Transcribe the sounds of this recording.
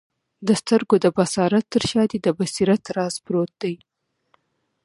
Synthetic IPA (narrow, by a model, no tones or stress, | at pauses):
d̪əst̪əɾɡod̪əbasɑɾat̪ːəɾʃɑd̪ed̪əbasiɾat̪ɾɑzbɾot̪̚d̪aj